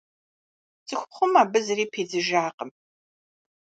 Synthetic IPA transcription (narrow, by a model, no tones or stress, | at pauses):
z̥ʼɨxʷʊχʷʊmaːbɨzɨɾiːpʰeːd͡zɨʒaːqəm